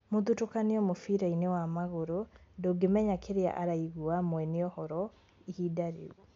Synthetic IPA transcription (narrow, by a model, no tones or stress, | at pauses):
moðutokaneɔmofiɾainewamaɣoɾondoːɡemɛɲakʰeɾea̰ʔaɾaiɣuamwɛneɔhɔɾɔ | ihidaɾḛu